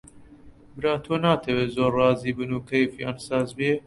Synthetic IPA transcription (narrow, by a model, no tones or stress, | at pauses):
bɨɾɑːt̪ʰoːnɑːt̪ʰɛweːzoːrːɑːziːbɨnuːkʰɛjfjɑ̰ːnsɑːzbje